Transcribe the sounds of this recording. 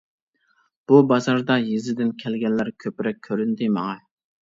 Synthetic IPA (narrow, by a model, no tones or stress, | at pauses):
b̥ubɑzɑɾd̪ɑjizɪd̪ɪnkʲʰɛlɡʲɛnlːæɾkʲʰøpɾɛk̚ʲʰːøɾynt̪ɪmɑ̰ŋɑ